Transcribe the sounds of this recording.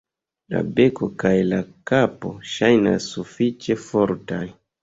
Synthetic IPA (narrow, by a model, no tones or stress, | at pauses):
la̰be̞ko̞kajlakapo̞ʃajna̰sːufit͡ʃe̞fo̞ɾtaj